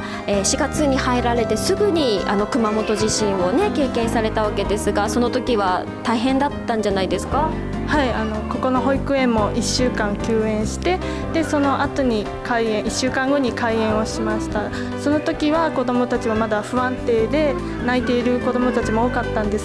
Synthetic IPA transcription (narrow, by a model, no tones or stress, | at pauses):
eːɕiɡat͡sɨɲ̟ihaiɾaɾe̞t̪e̞sɨɡɯ̟ɲ̟ia̰no̞kɯ̟mamo̞t̪o̞ʑiɕĩɰ̃o̞ne̞ke̞ːkẽ̞ɰ̃saɾe̞t̪aβake̞d̪e̞sɨɡaso̞no̞t̪o̞kʲiβ̞a | t̪aiɦẽ̞nd̪at̪ːãɲ̟d͡ʑanaid̪e̞sɨ̥ka | haiano̞ko̞ko̞no̞ɦo̞ikɯ̟ẽ̞mːo̞ʔiɕːɨːkãŋkʲɨːẽ̞ɰ̃ɕi̥t̪e̞ | d̪̥e̞so̞no̞ʔat̪o̞ɲ̟i | kaiẽɰ̃iɕːɨːkãŋɡo̞ɲ̟ikaiẽ̞ɰ̃o̞ɕimaɕi̥t̪a | so̞no̞t̪o̞kʲiβako̞d̪o̞mo̞t̪at͡ɕiβamad̪aɸɯ̟βãnt̪e̞ːd̪e̞ | nait̪e̞iɾɯ̟ko̞d̪o̞mo̞t̪at͡ɕimo̞oːkat̪ːãnd̪e̞s